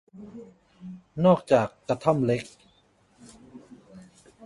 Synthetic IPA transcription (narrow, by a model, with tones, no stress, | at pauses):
nɔː˥˩k̚t͡ɕaː˨˩kːɾa˧t̪ʰa˥˩mle˦˥k̚